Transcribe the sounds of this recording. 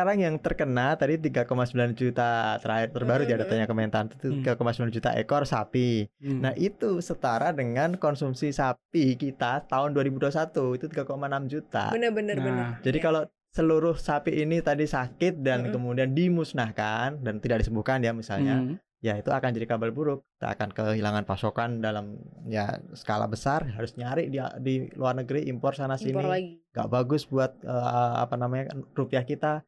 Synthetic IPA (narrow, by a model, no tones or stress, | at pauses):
aɾaŋjaŋt̪ərkənalt̪adit̪iɡakomasəbiland͡ʒut̪at̪əɾaɪrt̪ərbaɾujadat̪aɲakəmɛnt̪ant̪u̥t̪iɡakomasəbiland͡ʒut̪a̰ʔḛkɔrsa̰pinaɦʔit̪usət̪aɾadəŋankɔnsumsisap̚ikit̪at̪aʊnduaɾibuduasat̪uit̪ut̪iɡakomanamd͡ʒut̪a̰ənəbənərd͡ʒadikalo | səluɾʊhsapiʔinit̪adisakɪt̪̚dankəmudiandimusnahkandant̪idaʔ̚disəmbuhkanjamisa̰lɲa | jait̪uakand͡ʒadikabalbuɾʊk̚ːt̪a̰a̰kankəɦilaŋanpasokandalamja̰sə̥kala̰bəsarɦaɾʊsɲaɾɪʔdidiluarnəɡəɾiʔimpɔrsanasiniiŋɡa̰ʔbaɡʊsbuat̪̚əəa̰panamaɲarupiahkit̪a